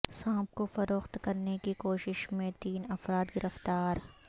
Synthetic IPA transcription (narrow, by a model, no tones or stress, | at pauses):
sãːp̚kofɐɾoːxt̪kɐɾnekikoːʃɪʃmẽt̪iːnɐfɾaːd̪ɡɪɾʔəft̪aːɾ